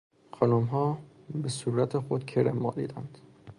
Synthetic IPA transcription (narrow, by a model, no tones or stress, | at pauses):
xɒnumɦɒːbesuːɾæt̪ʰexod̪kʰeɾemːɒːlḭːd̪ænd̪̥